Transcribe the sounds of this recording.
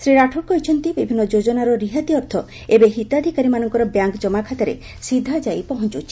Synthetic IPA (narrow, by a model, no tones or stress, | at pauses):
sɾiɾaʈʰɔɾkɔɦjt͡ʃʰɔnt̪ibibʱinːɔd͡ʒod͡ʒɔnaɾɔɾiɦat̪iɔɾt̪ʰɔ | ebeɦit̪ad̪ʱikaɾimanɔŋkɔɾɔbjaŋkd͡ʒɔmakʰat̪aɾḛ | sid̪ʱːad͡ʒajpɔɦɔnt͡ʃut͡ʃʰi̥